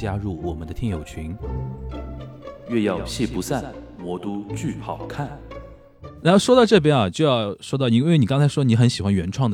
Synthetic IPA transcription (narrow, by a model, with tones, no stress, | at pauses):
t͡ɕja˥ɻu˥˩wɔ˨˩mə˦nd̪ə˧jɛ˥˩njo˨˩ʊt͡ɕʰy˧˥ŋ | ɥɛ˥˧jɑ˥˩ʊt͡ɕʰi˥˩pu˧˥sa˥˩n | mwɔ˧˥t̪u˥t͡ɕy˥˩pʰɑ˨˩ʊkʰa˥˩n | na˧˥˩ʊʂwɔ˥t̪ɑ˥˧ʈ͡ʂɤ˥˩p̬jɛ˥nɐ˨t͡ɕjo˥˧ʊjɑ˥˩ʊʊʂwɔ˥t̪̬ɑ˥˩ʊi˧˥we˥˩ɪni˨˩kɑ˥ŋt͡sʰa˧˥ɪʂwɔ˥ni˧˥xə˧˥nɕi˨˩xwa˥nɥɛ˧˥nʈ͡ʂʰwɑ˥˩ŋd̪ə